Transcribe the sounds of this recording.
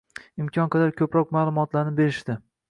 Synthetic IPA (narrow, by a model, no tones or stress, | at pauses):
ɪmkʲʰɒnqʰɑd̪aɾkʲʰɵpɾɒqmaːlˠʊmɒt̪laɾnɪbe̞ɾɪʃt̪ɪ